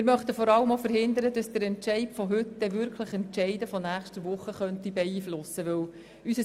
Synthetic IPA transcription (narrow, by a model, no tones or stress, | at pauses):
ɪɾmœχt̪əfɔɾɑləmofəɾhɪnd̪əɾədɑsd̥̪əɾɛntʃɛɪpfɔɦʏt̪d̪ɛʋʏɾkʰləχɛntt͡ʃɛɪdəfɔnæːχʃtəʋʊχːəχœnt̪ibɛiːflʊsːəʋɵw | ysə